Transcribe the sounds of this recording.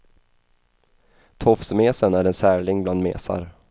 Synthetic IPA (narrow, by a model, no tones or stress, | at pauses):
t̪ʰɔfsmeːsənæɾɛnsæːɭɪŋbland̪mḛːsa̰ɾ